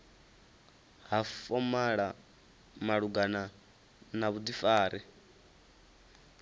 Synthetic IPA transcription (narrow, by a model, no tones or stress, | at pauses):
ɦafɔmaɺa | maɺuɡana | naβud̪ifaːɾɛ